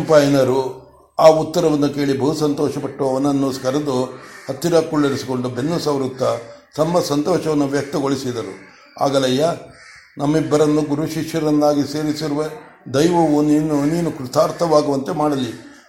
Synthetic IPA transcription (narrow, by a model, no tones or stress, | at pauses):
mpaːjnɐɾu | aːut̪ːɐɾɐʋɐnːuke̞ːɭibɐɦusɐnt̪ɔːʃɐpɐʈːuʋɐʋɐnːuɐnːoːskɐɾɐd̪uɐt̪ːiɾaːkuɭːɐɾisi̥ko̞ɳɖubenːusɐʋɾut̪ːɐsɐmːɐsɐnt̪ɔːʃɐʋɐnːuʋjɐk̚t̪ɐɡoɭisid̪ɐɾṵ | a̰ːɡɐlɐjːɐ | nɐmːibːɐɾɐnːuɡuɾuʃikʂjɐɾɐnd̪aːɡise̞ːɾisiɾuʋe | d̪ɐjʋɐʋuniːnuniːnukɾut̪ʰaːɾt̪ʰɐʋaːɡuʋɐnt̪emaːɽɐli